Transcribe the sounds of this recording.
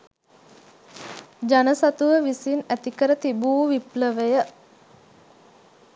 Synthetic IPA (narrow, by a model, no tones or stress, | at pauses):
d͡ʒanəsat̪uʋəʋisinæt̪ikəɾət̪ibuːʋipləʋəjə